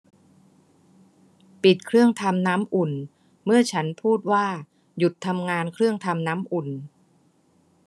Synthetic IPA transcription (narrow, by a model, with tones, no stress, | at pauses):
pi˨˩t̪̚kʰɾɯ˥˩əŋt̪ʰa˧mnaː˦˥mʔu˨˩n | mɯ˥˩ɐt͡ɕʰa˦˥npʰuː˥˩t̪̚waː˥˩ | ju˨˩t̪ʰːa˧mŋaː˧nkʰɾɯ˥˩əŋt̪ʰa˧mnaː˦˥mʔu˨˩n